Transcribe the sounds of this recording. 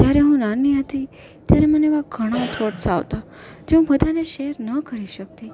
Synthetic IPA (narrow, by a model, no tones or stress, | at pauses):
t̪jaɾeɦũnaniɦət̪i | t̪jaɾeməneʋaɡʱəɽ̃ãt̪ʰoʈsa̰ʋt̪a | d͡ʒeũpəd̪ʱaneʃeɾnəkəɾiʃək̚t̪iː